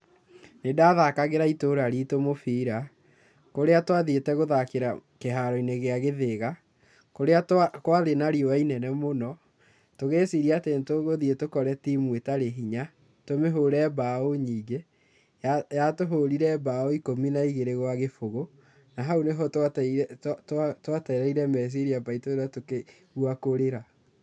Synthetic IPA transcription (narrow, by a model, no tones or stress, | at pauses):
nedaðakaɣeɾaitoɾaɾitomofiːɾa | koɾeatwaðietɛɣoðakeɾakeɦaɾɔineɣeaɣeðeɣa | koɾeakwaðenaɾiowainɛnɛmonɔ | toɣeːsiɾiatentoɣoðietokɔɾɛtimwetaɾeɦiɲa | tomeɦoɾɛbaoɲiːɡe | jajatoɦoɾiɾɛbaɔikominaiɣeɾeɣwaɣefoɣo | naɦaoneɦɔtattatwatɛɾɛiɾɛmɛs̬iɾiabaitoɾatoke | ɣuakoɾeɾa